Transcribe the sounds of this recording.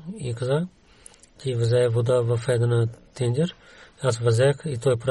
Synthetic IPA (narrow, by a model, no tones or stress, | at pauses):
ikaza | c̪ʲivəzɛvod̪avɐfɛd̪ənət̪ɛnd͡ʒ̪ʲɛɾ | as̬vɐzɛxit̪ɔjpɾ